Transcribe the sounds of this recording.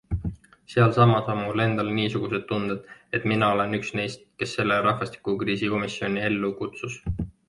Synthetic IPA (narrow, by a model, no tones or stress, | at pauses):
seɑlsɑmɑsonmule̞nd̪̥ɑlniːsuɡ̥use̞d̪̥t̪ːund̪̥ed̪̥e̞t̪ˑminɑo̞le̞nyksne̞jst̪̚ke̞sːe̞lːe̞ɾɑhvɑst̪i̥kukriːsiko̞misjo̞nʲie̞lːukut̪sus